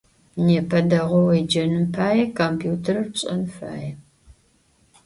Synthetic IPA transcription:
neːpʰɐdɐʁʷɔwɐjd͡ʒɐnɨmpʰaːjɛkʰompʰjuːtʰɐrɨrpɕʼɐ̰nfa̰ːjɛ

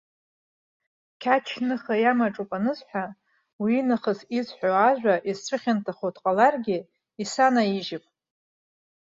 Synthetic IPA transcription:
kʲʰat͡ʃʰnɨχajamaʈ͡ʂʼupʼanɨzħʷᶣa | wiːnaχəzizħʷoaʒᶣʷaʔizt͡ɕʷʰɨχʲantʰaχotʰqʼalarɡʲɪ | isanaiʒɪpʼ

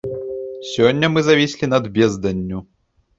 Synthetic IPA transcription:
sʲɔnʲːɐmɨzɐvʲisʲlʲinɐd̪bʲɛzd̪ɐnʲːu

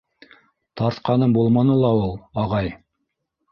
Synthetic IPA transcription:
t̪ɑɾt̪qɑnɤɴbulˠmɑnɤlˠɑulˠɑʁɑj

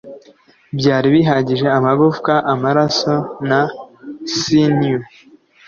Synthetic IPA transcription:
bɟaːɾiβiɦaːɟiʒe̞amaɡufkaʔamaɾaso̞na | sine

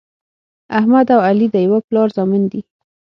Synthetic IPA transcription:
ahmad̪awalid̪əjawaplɑɾzɑmɪnd̪i

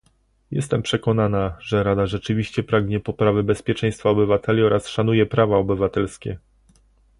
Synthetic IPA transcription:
jɛst̪ɛmpʂɛkɔnanaʐɛɾad̪aʐɛt͡ʂɘvʲiɕt͡ɕɛpɾaɡɲɛpɔpɾavɘbɛspʲjɛt͡ʂɛ̃j̃st̪faɔbɘvat̪ɛlʲiɔɾʔasʂanujɛpɾavaɔbɘvat̪ɛlskʲɛ

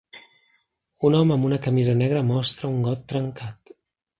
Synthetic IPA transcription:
unɔməːmbunəkəmizənɛɣ̞ɾəmɔst̪ɾəuŋɡɔt̪ːɾəŋkat̪

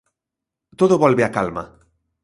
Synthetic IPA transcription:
t̪oðoβalβeakalma̰

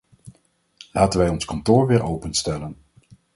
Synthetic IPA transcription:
laːtənʋɛjɔnskɑntʊːɹʋɪːɹʔowpənstɛlən

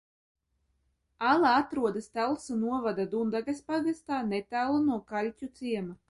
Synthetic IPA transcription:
alˠaat̪ɾuɔd̪ast̪alˠsunuɔvad̪ad̪und̪aɡaspaɡast̪aːnɛt̪æːlˠunuɔkalʲcʲut̪siɛma

